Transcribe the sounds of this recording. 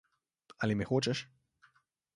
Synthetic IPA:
alimɛxot͡ʃɛʃ

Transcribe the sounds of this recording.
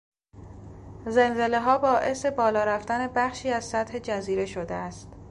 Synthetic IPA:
zenze̞le̞ɦɒːbɒːʔe̞se̞bɒːlɒːɾæft̪æne̞bæχʃiːæz̥sæt̪he̞d͡ʒæziːɾe̞ʃod̪ḛæst̪

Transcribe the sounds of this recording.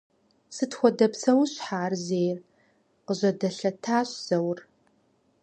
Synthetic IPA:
sɨtxʷɔdɐpsɐwɕħaːrzeːjr | qəʑɐdɐɬɐtʰaːɕz̥ɐwr

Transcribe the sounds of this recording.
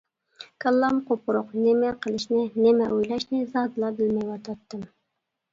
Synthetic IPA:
kʰɑlˠːɑmqopʊɾʊqnɪmɛqʰəlˠɨʃnɪnɪmɛʔojlɑʃnɪzɑd̪ɨlˠɑbɪlmɛjwɑt̪ʰɑt̪ːɨm

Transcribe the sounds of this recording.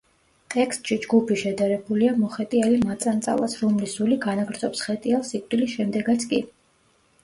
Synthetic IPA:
t̪ʼɛkʰst̪ʼʃid͡ʒɡupʰiʃɛd̪aɾɛbuliamɔχɛt̪ʼialimat̪sʼant̪sʼa̰lˠa̰sɾumlisuliɡanaɡɾd̪zɔpsχɛt̪ʼialˠsikʼwd̪ilisʃɛmd̪ɛɡat̪sʰkʼi

